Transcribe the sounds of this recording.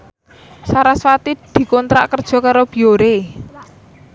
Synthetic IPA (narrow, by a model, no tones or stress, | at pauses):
saɾaswat̪id̪̥i̤kɔnt̪ɾa̰ʔkərd̥ʒ̥ɔ̤kaɾob̥i̤oɾe